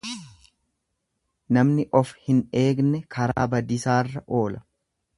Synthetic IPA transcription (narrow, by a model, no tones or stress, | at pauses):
nɐmnɪʔɔfhɪne̞ːɡnɛkʰɐɾa̰ːbɐd̪ɪsaːrːɐʔo̞ːlɐ